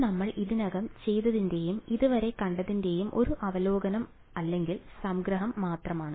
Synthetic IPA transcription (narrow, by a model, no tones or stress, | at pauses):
nɐmːɐɭiðinɐɣɐmt͡ɕe̞jt̪ɐðinde̞jumiðuʋɐɾe̞kɐɳɖɐðinde̞jumʔo̞ɾuʔɐʋɐlo̞ːɡɐnɐm | ɐlːe̞ŋɡilsɐmɡɾɐɦɐmːaːt̪rɐmaːɳɨ